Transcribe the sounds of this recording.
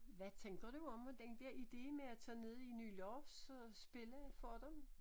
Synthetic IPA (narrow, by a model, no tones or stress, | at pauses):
ʋæt͡sʰeŋɡ̥ɐd̥uɒ̽md̥end̥eɐid̥e̝̰ːmeæt͡sʰɛ̰ːne̝ð̞ˠiny̰ːlɒːfssb̥e̝ləfɒd̥em